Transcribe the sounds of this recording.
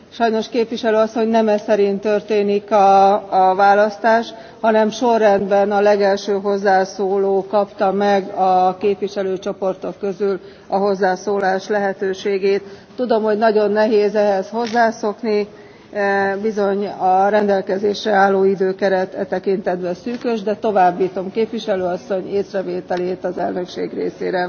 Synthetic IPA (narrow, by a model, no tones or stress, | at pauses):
ʃɒjno̞ʃkeːpʋiʃɛløːɒsːo̞ɲnɛmɛsɛɾint̪ø̞rt̪eːnikɒvaːlɒst̪aːʃ | hɒnɛmʃo̞rːɛnd̪bɛnɒlɛɡɛlʃøːɦo̞zːaːsoːloːkɒpt̪ɒmɛɡɒkeːpʋiʃɛløːt͡ʃo̞po̞rt̪o̞kːøzyl | ɒɦo̞zːaːsoːlaːʃlɛɦɛt̪øːʃeːɡeːt̪ː | ud̪o̞mho̞ɟnɒɟo̞nːɛɦeːzɛɦɛsho̞zːaːso̞kni | bizo̞ɲɒɾɛnd̪ɛlkɛzeːʃrɛaːlːoːid̪øːkɛɾɛt̪ɛt̪ɛkint̪ɛd̪bɛsyːkøʒd̪ɛt̪o̞vaːbːiːt̪o̞mkeːpʋiʃɛløːɒsːo̞ɲeːsrɛveːt̪ɛleːt̪ɒzɛlnø̞kʃḛːɡrḛːsḛːɾɛ